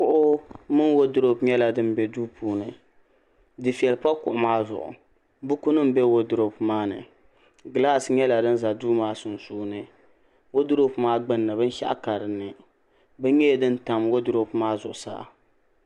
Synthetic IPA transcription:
kʊ˦ʔʊ˦mɨ˦nwo˦dʊ˦ɾo˦pɲɛ˦la˨dɨ˦m˦bɛ˨duː˦puː˨nɨ˨ | dɨ˨fi˨ɛ˨lpa˦kʊ˨ʔʊ˨maː˦zʊ̰˨ʔʊ̰˨ | bu˦ku˦nɨ˦m˦bɛ˦wo˦dʊ˨ɾo˦pmaː˦nɨ̰˨ | ɡla˦˨sɲɛ˦la˨dɨ˦n˦za˨duː˦maː˦sʊ˨n˨suː˦nɨ˨ | wo˦dʊ˦ɾo˦pmaː˦ɡ͡bɨ˦nːɨ˨bɨ˦n˦ʃa̰˦ʔa̰˦ka˨ɾɨ˨nːɨ˨ | bɨ˦ɲɛ˦˨dɨ˦n˦ta˨mwo˦dʊ˦ɾo˦pmaː˦zʊ̰˨ʔʊ˨sa̰ː˦˨

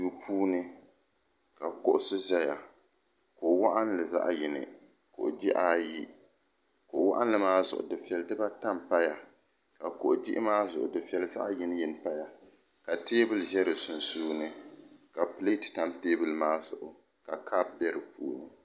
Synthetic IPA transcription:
du˨pʰuː˦nɨ˦ | ka˨kʊ˨ʔʊ˨˦sɨ˦za˦ja˨ | ko˨wa˦ʔa˦n˦lɨ˨za̰˦ʔji˨nɨ̰˨ | kʊ̰˨ʔd͡ʒi˦ʔaː˦ji˦ | ko˨ʔwa̰˦ʔa˦nlɨ˦maː˦zʊ̰˨ʔʊ̰˨dɨ˨fɛ˨ldɨ˦ba˦ta˦mpa˦ja˨ | ka˨kʊ˨ʔʊ˨d͡ʒḭ˦ʔɪ˦maː˦zʊ˨ʔʊ˨dɨ˨fɛ˨lza̰˦ʔji˦n˦ji˨n˨pa˦ja˨ | ka˨teː˦bɨ˦lʒɛ˦ɾɨ˨sʊ˨n˨suː˦nɨ˦ka˨ple˦tɨ̥˨ta˦mteː˦bɨ˦lmaː˦zʊ˨ʔʊ˨ | ka˨kʰa˦b̚bɛ˦ɾɨ˨pʰuː˦nɨ˦

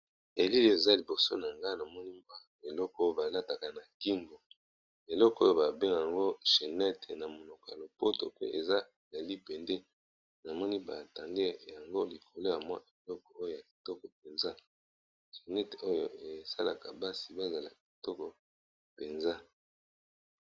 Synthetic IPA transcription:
e˨li˦le˨e˨za˦li˨bo˨so˦na˨ŋɡa˦na˨mɔ˦ni˦ba˦ | e˨lɔ˦ko˦o˦ba˨la˦ta˨ka˨na˨ki˦ŋɡo˨ | e˨lɔ˦kɔ˨˦o˦jo˦ba˨be˦ŋ˨a˨ŋɡo˦ʃe˨nɛ˦te˨na˨mo˨no˨kja˨lo˨po˦to˨pe˦ʔe˨za˦˨la˨li˦pɛ˨ndɛ˦ | na˨mɔ˦ni˦ba̰˨ta˨ŋɡe˦ja˨ŋɡo˦li˨kʰo˨lo˦ja˨mwa̰˦e˨lɔ˦kɔ˨o˦jo˨ja˨ki˨tɔ˦kɔ˨p̚e˨nza˦ | ʒe˨nɛ˦te˨o˦jo̰˦˨ʔe˨sa̰˦la̰˨ka̰˨ba˦si˨ba˦˨za˨la˨ki˨tɔ˦kɔ˨ | pe˨nza˦

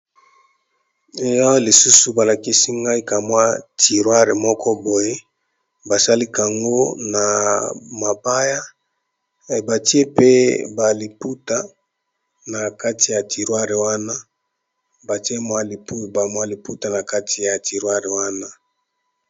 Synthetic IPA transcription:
e˨jɔ˦le˨su˦su˨ba˨la˨ki˦si˦ŋɡa˦i˦ka˨mwa˦ti˨ʁwa˦ʁe˨mɔ˦kɔ˦bo˨je˦ | ba˨sa˦li˦ka˨ŋɡo˦na˨ma˨ba˦ja˦˨ | ba˨ti˦e˦pe˦ba˨li˨pu˦ta˨ | na˨ka˦ti˨ja˨tʰi˨ʁwa˦ʁe˨wa˦na˦ | ba˨ti˦e˦mwa˦li˨pu˦ba˨mwa˦li˨pu˦ta˨na˨ka˦tʰi˨ja˨ti˨ʁwa˦ʁe˨wa˦na˦

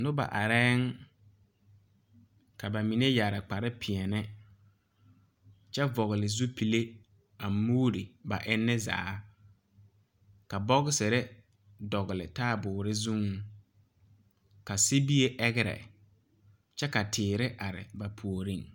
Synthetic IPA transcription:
nʊ˦ba̰˨ʔa˨ɾɛː˦ŋ | ka˨ba˨mi˨ne˦ja˨ɾɪ˨k͡pa˨ɾɪ˦pʰɪ˨ɛ˨nɪ˦ | t͡ʃɛ˦vɔ˨ɣɪ˨lɪ˨zu˦pi˨le˦ | a˨muː˦ɾi˨ba˨ʔɪ˦nːɪ˦za̰ː˨˦ | ka˨bɔ˦ɣɪ˦sɪ˨ɾɪ˦ | dɔ˨ɣɪ˨lɪ˨taː˦bʊː˨ɾɪ˦zũ˦ŋ | ka˨si˦bi˦e˦ʔɛ˦ɣɪ˦ɾɛ̰˨ | t͡ʃɛ˦ka˨tʰɪː˨ɾɪ˦ʔa˨ɾɪ̰˨ba˨pʰu˨o˨ɾi˦ŋ

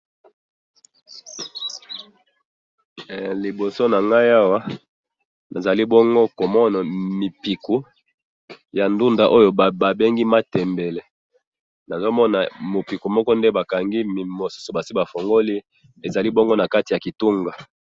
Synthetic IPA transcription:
li˨bo˨so˦na˨ŋɡa˦ja˦wa˦ | na˨za˨li˦bɔ˦ŋɡo˦ko˨mɔ˦na˨mi˨pi˨ku˨˦ | ja˨ndu˦nda˨ʔo˦jo˦˨ba˨be˦ŋɡi˦ma˦tɛ˨mbɛ˨le˨ | na˨zo˦mɔ˦na˨mo˨pi˨ku˨mɔ˦kɔ˦nde˦ba˨ka˨ŋɡi˦m˨mo˨su̥˦so˨ba˨si˦ba˨fo˨ŋɡo˦li˦ | e˨za˨li˦bɔ˦ŋɡo˦na˨ka˦ti˨ja˨ki˨tu˦ŋɡa˨

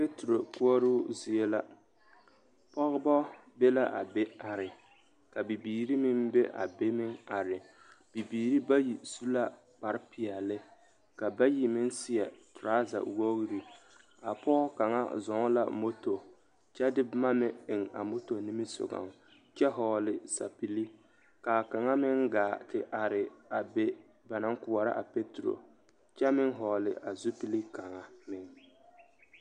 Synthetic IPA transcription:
pe˦tɾo˨ku˦ɔ˦ɾu˦zi˨e˦la˦ | pɔ˦ɣbɔ˦be˦la˦ʔa̰˨be˦a˨ɾɪ˨ | ka˨bi˨biː˨ɾi˦mɪ˦mbe˦ʔa̰˨be˦mɪ˦ŋa˨ɾɪ˨ | b̥i˨biː˨ɾi˦ba˦ji˨su˦la˦ | k͡pa˨ɾɪ˦pʰɪ˨a˨lɪ˦ | ka˨ba˦ji˨mɪ˦nsɪ˦ɛ˨tɾa˦za̰˨wo˦ɣɾi˦ | a˨pɔː˦ka˨ŋa̰˦zɔ˨˦la̰˨mo˦to˨ | t͡ʃɛ˦dɪ˦bma˦mɪ˦ɪ˨ŋa̰˨mo˦to˨ni˦mi˦sʊ̰˨ɡa̰˨ŋ | t͡ʃɛ˦ɦɔː˨lɪ˨sa̰˨pi˦li˦ | kaː˨ka˨ŋa˦mɪ˦ŋɡaː˨tɪ˨ʔa˨ɾɪ˨a˨be˦ | ba˨na˦ŋ˦kʊ˨wa˨ɾa̰˦ʔa˨pe˦tu˨ɾo̰˨ | t͡ʃɛ˦mɪ˦ŋɦɔː˨lɪ̰˨ʔa˨zu˦pi˦li˦ka˨ŋa˨mɪ˦ŋ

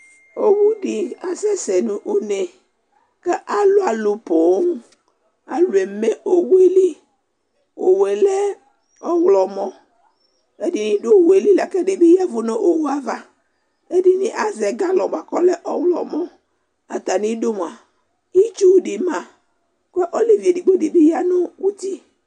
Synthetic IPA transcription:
o˨wu˦ɖi˨a˨sɛ˦sɛ˨nũ˨ʔo˦ne˨ | kɛ˦ʔa˨lo˦a˨lu˨po˨˦ŋu˦ | a˨lu˨e˨me˦ʔo˨wu˦e˦li˦ | wo˨we˨lɛ˦ | ɔ˦wlɔ˨mɔ̃˦ | e˦di˨nĩ˦do˦˨we˨li˦la˨kɛ˦ɖe˨be˦ja˦vo˦nɔ̃˦ʔo˨wu˦a˦va˦ | e˦di˨nĩ˦ʔa˦zɛ˨ɡa˦lɔ˨ba˨kɔ˦lɛ˦ʔɔ˦wlɔ̰˨mɔ̃˦ | a˨t̪a˨nĩ˦do˦mu˨a˨ | i˦t͡ʃu˦wɖi˨mã˨ | ke˦ʔɔ˦li˦vi˨e˨di˨ɡ͡bo˦di˨be˦ja˦nõ˦wu˦t̪i˦

